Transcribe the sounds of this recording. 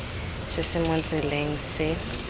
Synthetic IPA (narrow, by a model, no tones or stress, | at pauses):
sɪsɪmʊnt͡sʼɪleŋ̩sɪ